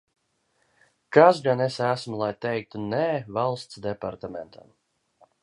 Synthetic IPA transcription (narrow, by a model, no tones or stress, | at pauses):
kasɡanesæsmulˠajt̪ɛjk̚t̪unɛːvalˠst̪sd̪ɛpaɾt̪amɛnt̪ʰa̰m